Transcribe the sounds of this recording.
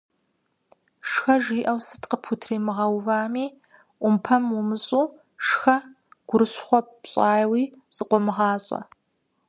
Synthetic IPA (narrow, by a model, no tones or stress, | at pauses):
ʂxɐʒiːʔɐwsɨ̥tqəpʰutʰriːmɨʁɐwvaːmiː | ʔʷʊmpʰɐmwʊmɨɕʼuː | ʂxɐ | ɡ̥ʷʊɾɨɕχʷɔɕʼɑːjwiː | sʼɨqʷʼɔmɨʁɑːɕʼɐ̰